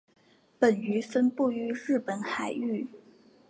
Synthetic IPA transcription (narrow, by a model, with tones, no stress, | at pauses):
pə˨˩ny˧˥fə˥npu˥˩y˧˥ɻɻ̩˥˩pə˨˧˥nxa˨˩ɪy˥˩